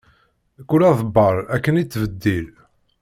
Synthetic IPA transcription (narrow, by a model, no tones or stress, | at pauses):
kːulɑðˤəbːəɾˤækːənit͡sːvəd̪ːil